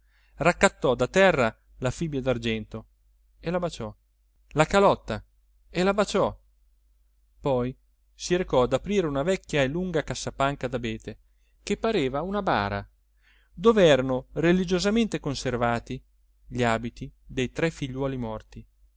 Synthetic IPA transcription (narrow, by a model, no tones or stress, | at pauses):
rakːat̪ːɔd̪at̪ɛrːa | lafibjad̪ard͡ʒɛnt̪o | elabat͡ʃɔ | lakalɔt̪ːa | elabat͡ʃɔ | pɔj | siɾekɔad̪apɾiːɾeunavɛkːjaeluŋɡakasːapaŋkad̪abeːt̪e | k̟epːaɾeːvaunaba̰ːɾa̰ | d̪oːveɛːɾanorelid͡ʒozament̪ekonservaːt̪i | ʎiaːbit̪id̪ejt̪ɾɛfiʎːwɔːlimɔrt̪i